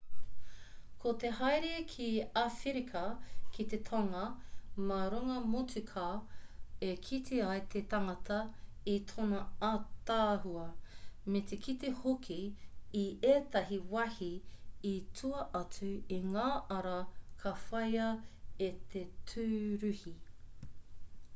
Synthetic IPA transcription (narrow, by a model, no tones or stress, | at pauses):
kʰot̪eɦɐjɾekʰiafiɾikʰɐkit̪et̪ʰaŋɐmaɾuŋɐmotʉkʰa | ekʰit̪ʰiɐjt̪ʰet̪ɐŋɐt̪ʰɐit̪ʰonɐat̪aːɦuɐmet̪ekʰit̪ehokʰiː | eːt̪ɐɦiwɐhiitʰuɐʔɐt͡sʉiŋaːʔɐɾɐkʰɐfɐjɐet̪ʰetʰʉːɾʉhi